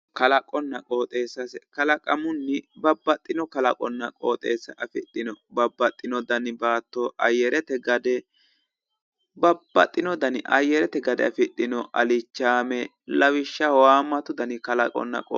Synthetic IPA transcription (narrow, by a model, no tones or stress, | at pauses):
kɐlɐkʼɔnːɐkʼo̞ːt̪ʼe̞ːsːɐskɐlɐkʼɐmʊnːɪbɐbːɐt̪ʼːɪnɔkɐlɐkʼɔnːɐkʼoːt̪ʼe̞ːsːɐʔɐfɪt̪ːɪnɔbɐbːɐt̪ʼːɪnɔd̪ɐnbaːt̪ːɔʔɐjːɛɾɛt̪ɛɡɐd̪ɛ | bɐbːɐ̰t̪ʼːɪnɔd̪ɐnɪʔɐ̰jɛɾɛt̪ɛɡɐd̪ɛ̰ɐ̰fɪt̪ːɪnɔʔɐ̰lɪt͡ʃːaːmɛ | lɐwɪʃːɐwaːmːɐt̪ʊd̪ɐnɪkɐlɐkʼɔ̰nːɐ̰kʼo